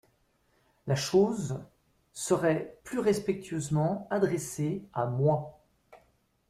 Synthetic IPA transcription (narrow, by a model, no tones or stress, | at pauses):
laʃoz | səʁɛplyʁɛspɛk̚t̪ʰɥøzmɑ̃ad̪ʁɛseamwa